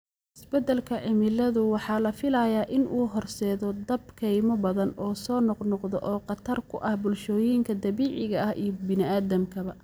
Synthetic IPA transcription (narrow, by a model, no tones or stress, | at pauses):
ʔɪsbɛd̪ɐlkʰɐʕɪmɪlɐðʊwɑħɑːlɐfɪlɐjaːʔɪnʔuːɦɔrsɛːðɔd̪ɐb̚kʰɛjmɔbɐðɐnɔːsɔːnɔqnɔqðɔʔɔːqɑt̪ʰɐrkʰʊʔɐhbʊlʃɔːjiːŋkʰɐd̪ɐβiːʕɪɣɐʔɐhiːbɪnɪaːðɐmkʰɐβɐ